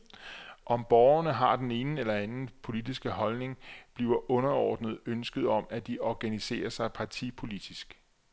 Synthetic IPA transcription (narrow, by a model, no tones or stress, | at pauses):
ʔɒ̽mb̥ɒːʊɐnəɦɑ̈d̥ene̝ːnelɐænn̩pʰo̝lid̥isɡ̥əɦɒ̽lne̝ŋb̥liːʊɐʔɔ̽nɐɒ̰ːd̥nəð̞̩ˠønsɡ̥əð̞̩ˠɒ̽mæd̥iɒɡ̥ænise̝̰ːɐsɑ̈ɪpʰɑ̈t͡sʰḭpʰo̝lid̥isɡ̥